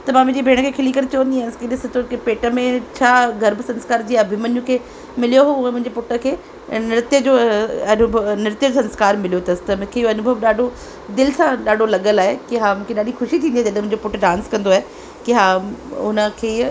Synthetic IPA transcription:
t̪ɐmãmʊ̃ɪ̃d͡ʑebʱeːɽ̃kʰeːkʰɪlikəɾt͡ɕɐʋə̃nd̪iaːnskʰeɗɪsət̪ʰokipeːʈə̆mẽt͡ɕʰaːɡʱɐɾbsɐ̃nskaːɾd͡ʑiːɐbʱimənjũkʰeː | mɪlijoɦoʊẽmʊ̃ɪ̃ɲd͡ʑepʊʈə̆kʰeː | nɪɾɪt̪jəd͡ʑoːɐnʊbʱnɪɾɪt̪jəsɐ̃nskaːɾmɪlijot̪ɐsɪ̥t̪ɐmʊ̃kʰeːɪjoɐnʊbʱəʋɗaːɖʱo | d̪ɪlsãɗaːɖʱolɐɠəlaːɦekiɦaːmũːkʰeɗaːɗixʊʃit̪ʰĩːnd̪iːd͡ʑ̪ɐɗ̃mʊ̃ɪ̃ɲd͡ʑopʊʈɖãːnskɐ̃nd̪oaːɦe | kiɦaʊnə̆kʰeː

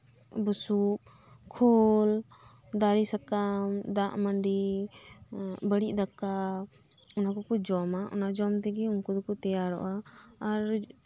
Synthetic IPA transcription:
busuʔ̚ | kʰɔl | d̪aɾisakamd̪aʔmaɳɖi | bəɽiʔd̪akːa | ɔnakɔkud͡ʒɔmaʔɔ̰nad͡ʒɔmt̪ɛɡɛuŋkɔd̪ɔkɔt̪ɛjaɾɔ̰ʔaːɾ

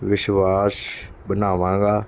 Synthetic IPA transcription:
ʋɪʃʋaːsbənaːʋãːɡaː

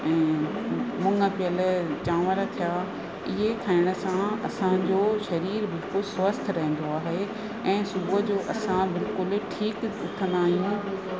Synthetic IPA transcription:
ɛ̃ː | mʊ̃ŋɡəpɪjəlt͡ɕaːʋəɾt̪ʰijaː | ɪɦet̪ʰaːɪɽ̃ə̆sãɐsãd͡ʑoːʃɐɾiːɾbɪlkʊlswɐst̪ʰɾɐɦẽn̆d̪oaːɦe | ɛ̃ːsʊbod͡ʑoːʔɐsãbɪlkʊlʈʰiːkʊt̪ʰə̃nd̪aːɦijũː

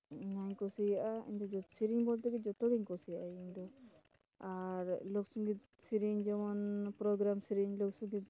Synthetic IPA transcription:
ɲaɲkɔsijaʔaḭɲd̪ɔd͡ʒɔsiɾiɲbɔlt̪ɛkɛd͡ʒɔt̪ɔɡɛɲkɔsijaʔaiɲd̪ɔ | aɾlɔksuŋɡid̪ | siɾiɲd͡ʒɔmɔnpɾɔɡɾamsiɾiɲlɔksuŋɡid̪̚

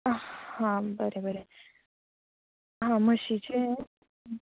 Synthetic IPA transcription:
hãbəɾebəɾe | ɦãməɕit͡ɕe

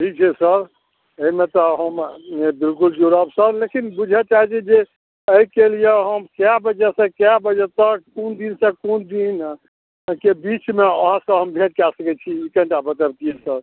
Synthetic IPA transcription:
ʈʰik̚t͡ʃʰɛsəɾ | eimẽt̪ɔɦəmbilkuld͡ʒuɾəbsəɾlekinbud͡ʒʱɛt͡ʃaɦɛt͡ʃʰɛd͡ʒe | əikelijeɦəmkjabəd͡ʒɛsẽkjabəd͡ʒɛt̪əkkund̪insə̃kund̪in | kebit͡ʃmeəɦãsə̃ɦəmbʱẽʈ̚kasəkɛt͡ʃʰiikɛ̃ʈabət̪əbk̪iesəɾ

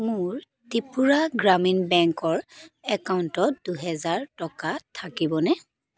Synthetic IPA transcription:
mʊɹ | tipuɹaɡɹaminbɛŋkɔɹɛkauntɔt̚d̥uɦɛzaɹtɔkatʰakibɔnɛ

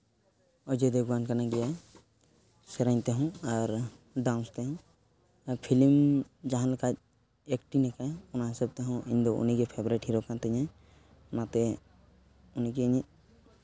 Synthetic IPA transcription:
ɔd͡ʒɛd̪ɛɡwankanaɡɛja | sɛɾajɲt̪ɛɦɔ̃aɾ | ɖawnst̪ɛɦɔ̃ | apʰilimd͡ʒaɦãlɛkat̪̚ | ekʈinɛkajɔnaɦɛsab̚t̪ɛɦɔ̃ʔiɲd̪ɔṵniɡɛpʰebɾɛʈɦiɾɔkat̪ɛɲa | ɔnat̪ɛ | unikɛːɲit̪̚

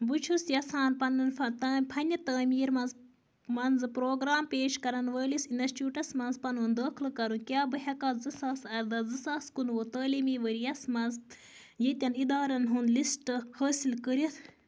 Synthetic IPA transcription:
bɨt͡ʃʰusjɐsaːnpɐnɨnʰɐt̪ɐːpʰɐnʲɐt̪ɐːmʲiːɾmɐnz | mɐnzɨpɾoːɡɾaːmpeːʃkɐɾɐnʋəːlisinɐsʈuːʈɐsmɐnzpɐnuːnd̪əːkʰlɨkɐɾũkʲjaːbɨɦʲɐkaːzɨsaːsɐɾd̪ɐzɨsaːskunʋot̪əːlimiːʋəɾijɐsmɐnz | jet̪ʲɐnid̪aːɾɐnɦund̪lisʈɨhəːsilkəɾit̪ʰ

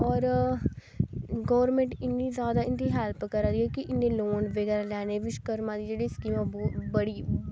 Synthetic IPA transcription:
ɔːɾ | ɡɔːʋɾmẽːɳʈɪnːiːzjaːd̪aːɪnd̪iːɦɛlpkəɾãd̪iɦɛːkɪʔɪnd̪ẽːloːnʋəɡɛːɾaːlɛːneːʋɪt͡ʃkəɾmãːd̪iːd͡ʒeːɽiːskiːmãbɔːbəɽiː

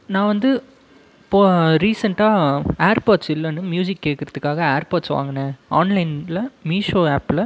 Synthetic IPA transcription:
nãːʋɐnd̪ɯ | poːɾiːsɐɳʈaːeːɾpaːʈsɪlːɐnːɯmjuːsɪkːeːʈkɪɾɐðɯkːaːɣɐeːɾpaːʈsʋa̰ːŋɡɐnẽːaːnlɐɪnlɐmiːʂoːeːplɐ

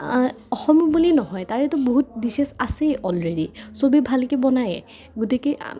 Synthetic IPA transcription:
ɔxɔmɔbulinɔɦɔjtaɹɛtʊboɦut̚disɛsasejʔɔlɹedisobibʱalkɛbɔnajɛ | ɡutiki

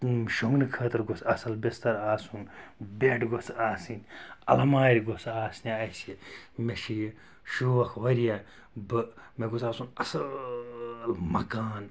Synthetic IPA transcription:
ʃoŋɡnɨkʰəːt̪ɐɾɡosɐsɐlbest̪ɐɾaːsunbʲeʈɡosaːsinʲɐlɐmaːɾʲɡosaːsniɐsimeʃij | ʃuʋɐkʰʋɐɾija | bɨmeɡosaːsunɐsɐ | lmɐkaːn

